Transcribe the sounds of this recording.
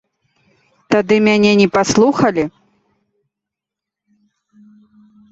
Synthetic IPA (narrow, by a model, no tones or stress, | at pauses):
t̪ad̪ɨmʲanʲɛnʲɛpaslˠuxɐlʲi